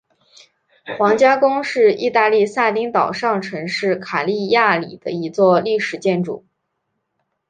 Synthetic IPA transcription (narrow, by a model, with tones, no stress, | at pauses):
xwɑ˧˥ŋt͡ɕja˥kʊ˥ŋʂɻ̩˥˧i˥˧t̪a˥˧li˥˧sa˥˩t̪i˥ŋt̪ɑ˨˩ʊʂɑ˥˩ŋʈ͡ʂʰɤ˧˥ŋʂɻ̩˥˩kʰa˨˩li˥˧ja˥˩li˨˩d̪̥ə˦i˧˥t͡swɔ˥˧li˥˩ʂɻ̩˨˩t͡ɕjɛ˥˩nʈ͡ʂṵ˥˨˩